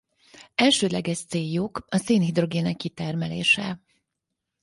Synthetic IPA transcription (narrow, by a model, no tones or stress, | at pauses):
ɛlʃøːd̪lɛɡɛʃt̪seːjːukɒseːnhid̪ro̞ɡeːnɛkːit̪ɛrmɛlḛːʃɛ